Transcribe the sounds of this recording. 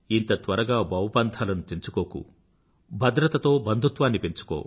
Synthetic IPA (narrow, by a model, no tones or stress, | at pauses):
int̪ɐt̪ʋɐɾɐɡaːbʱɐwɐpaːnt̪ʰaːlɐnut̪int͡ʃukoːkṵ | bʱɐd̪ɾɐt̪ɐt̪o̞ːbɐnd̪ʱut̪ʋaːnːipiɲt͡ʃu̥ko̰ː